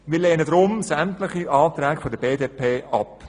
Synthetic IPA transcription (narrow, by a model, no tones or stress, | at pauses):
miːleːnədɾʊmsæmtlɪχiʔɑːt̪ɾɛːɡfodəbeːdeːpʰeːʔɑp